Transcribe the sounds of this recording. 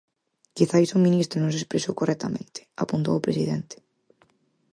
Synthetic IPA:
kiθaisomĩnist̪ɾonõŋsespɾesowkorɛk̚t̪amẽnt̪ɪ̥a̰punt̪o̰wːpɾesiðḛnt̪ɪ̥

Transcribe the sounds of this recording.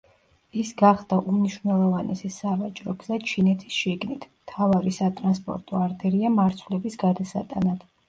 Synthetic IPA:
isɡaχd̪̥aʔumniʃvnɛlˠɔvanɛsɛsavat͡ʃʼɾɔɡzat͡ʃʰinɛt̪ʰi̥sʃiɡnit̪ʰmt̪ʰavaɾisat̪ʼɾanspʼɔ̰ɾt̪ʼɔaɾd̪ɛɾiamaɾt̪sʰvlɛbisɡ̥ad̪asa̰t̪ʼanad̪̥

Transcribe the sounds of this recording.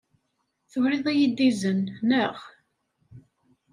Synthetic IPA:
θəvɾɪðˤæjid̪ːizənːəʁ

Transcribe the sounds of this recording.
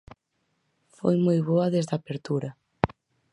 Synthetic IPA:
fo̰jmojβoɐðezðapeɾt̪uɾɐ

